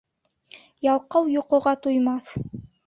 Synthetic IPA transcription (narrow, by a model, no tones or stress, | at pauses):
jɑlˠqɑwjŏqŏʁɑt̪ujmɑθ